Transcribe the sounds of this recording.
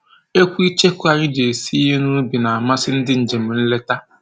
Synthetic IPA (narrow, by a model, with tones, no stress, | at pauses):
e˦kʷi˦t͡ʃe˦kʷu˦a˨ɾɪ˦d͡ʒe˨si˦i˦ɦe˦nʊ˦ɾu˦bi˨na˨a˨ma˦sɪ˦n̩˦dɪ˦n̩˨d͡ʒe˨m̩˨n̩˦le˦ta˦